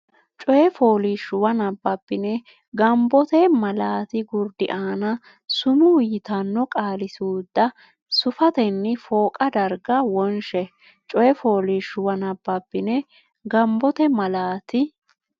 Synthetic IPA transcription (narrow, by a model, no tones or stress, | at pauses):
t͡ʃʼɔjɛfoːliʃʊwɐnɐbːɐpːɪnɛ | ɡɐmbɔt̪ɛmɐlaːt̪ɪɡʊɾd̪ɪʔaːnɐ | sʊmʊjɪt̪ɐnːɔkʼaːlɪsuːd̪ːɐ | sʊfɐt̪ɛnːɪfoːkʼɐd̪ɐɾɡɐwɔnʃɛ | t͡ʃʼɔjɛfo̞ːliʃʊwɐnɐbːɐpːɪnɛ | ɡɐmbɔt̪ɛmɐlaːt̪ɪ